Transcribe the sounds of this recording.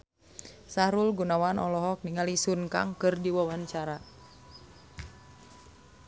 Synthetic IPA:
saɾulɡunawanʔɔlɔɦɔk̚niŋalisunka̰ŋkɨrdiwawaɲt͡ʃaɾa

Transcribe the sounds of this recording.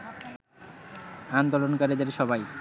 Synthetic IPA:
and̪olonkaɾid̪aɾiʃɔbaj

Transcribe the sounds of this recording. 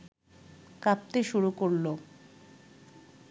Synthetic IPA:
kap̚t̪eʃuɾukoɾlo

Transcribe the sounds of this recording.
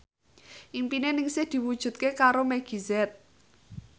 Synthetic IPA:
ʔimpinenɪŋsɪhd̪̥i̤wud̥ʒ̥ṳt̪̚kekaɾomɛɡ̥izɛt̪̚

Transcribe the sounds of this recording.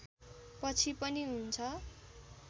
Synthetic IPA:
pʌt͡sʰipʌniɦunt͡sʰʌ

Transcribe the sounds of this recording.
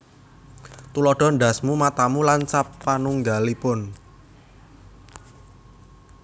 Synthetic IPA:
t̪ulɔɖ̥ɔ̤nɖ̪a̤smumat̪amulant͡ʃapːanuŋɡalipʊn

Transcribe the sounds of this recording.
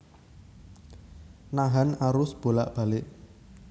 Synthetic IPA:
naɦanaɾʊsb̥o̤laʔb̥ä̤lɪʔ

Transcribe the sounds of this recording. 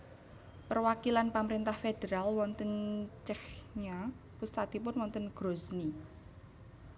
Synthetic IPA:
pərwakilanpaməɾint̪ahfed̥eɾalwɔnt̪ənt͡ʃɛhɲa | pust̪at̪ipʊnwɔnt̪ənɡ̥ɾosni

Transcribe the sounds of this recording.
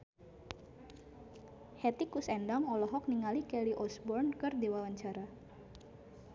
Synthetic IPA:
hɛt̪ikusɛndaŋɔlɔɦɔk̚niŋalikɛliʔɔsbɔrnkɨrd̪ewawaɲt͡ʃaɾa

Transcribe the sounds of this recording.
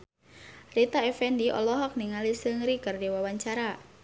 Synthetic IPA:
rit̪aɛfɛndiʔɔ̰lɔɦɔk̚niŋalisəŋɾikardewawaɲt͡ʃaɾa

